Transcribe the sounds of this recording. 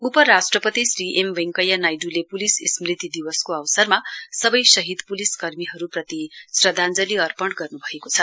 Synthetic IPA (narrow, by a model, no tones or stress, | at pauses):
upʌɾasʈrʌpʌt̪isriʔemʋeŋkʌjanajɖulepulisismrit̪id̪iwʌskoʌwsʌrmasʌbʌjsʌɦid̪puliskʌrmiɦʌɾuprʌt̪isrʌd̪ʱand͡zʌliʌrpʌɳɡʌrnubʱʌekot͡sʰʌ